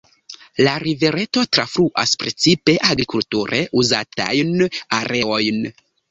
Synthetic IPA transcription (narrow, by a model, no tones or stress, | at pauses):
laɾive̞ɾe̞to̞tɾafɾuʔa̰spɾe̞t͡sipe̞ʔaɡɾikultuɾʔe̞̰ʔuza̰ta̰jnaɾʔe̞o̞jn